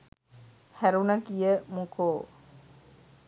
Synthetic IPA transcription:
hæɾunəɡijəmukʰoː

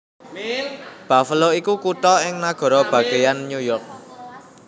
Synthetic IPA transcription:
b̥a̤fəloikukut̪ɔɪŋnaɡ̥ɔ̤ɾɔb̥ä̤ɡ̥e̤janːjujɔrk̚

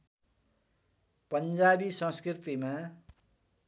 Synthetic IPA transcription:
pʌnd͡zabisʌ̃skrit̪ima

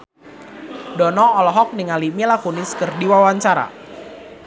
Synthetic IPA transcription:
dɔnɔɔlɔɦɔk̚niŋalimilakunɪskɨrdiwawaɲt͡ʃaɾa̰

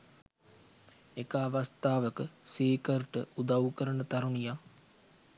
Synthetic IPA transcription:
ekəːʋast̪aːʋəkəsiːkərʈəud̪awukəɾənət̪aɾunijaː

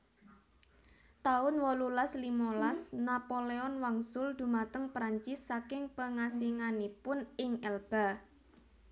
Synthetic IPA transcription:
t̪aʊnwɔlulaslimolasnapoleɔnwaŋsʊld̪̥ṳmat̪əŋpɾaɲt͡ʃɪsːakɪŋpəŋasiŋanipʊnɪŋɛlb̥a̤

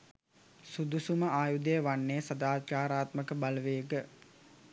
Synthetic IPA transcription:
sud̪usuməʔaːjud̪əjəʋanːesad̪aːt̪t͡ʃaːɾaːt̪məkəbaləʋeːɡə

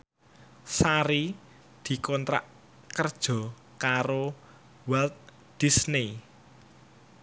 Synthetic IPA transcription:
saɾi | d̪̥i̤kɔnt̪ɾa̰ʔ | kərd̥ʒ̥ɔ̤ | kaɾo | wɛlt̪̚ | d̪̥isni

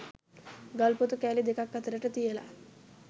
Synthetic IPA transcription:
ɡɐlput̪ukæːlid̪ekakːət̪əɾəʈət̪ijəla̰

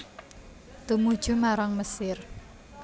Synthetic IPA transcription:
t̪umud̥ʒ̥ṳmaɾaŋməsɪr

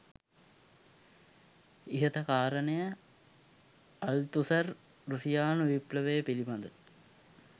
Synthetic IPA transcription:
iɦət̪əkaːɾənejə | ɐlt̪usɐr | rusijaːnuʋipləʋejəpilibɐnd̪ə

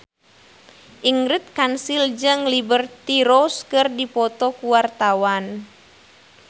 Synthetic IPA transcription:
ʔiŋɾit̪̚kansild͡ʒɨŋlibərt̪iɾɔskɨrdipɔt̪ɔkuwart̪awan

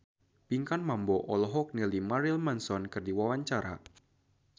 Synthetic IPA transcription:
piŋkanmambɔʔɔlɔɦɔk̚nilimaɾilmansɔnkɨrdiwawaɲt͡ʃaɾa̰

